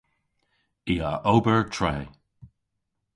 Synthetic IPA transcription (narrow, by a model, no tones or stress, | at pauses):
iːa̰ʔowbəɹtʰɹɛː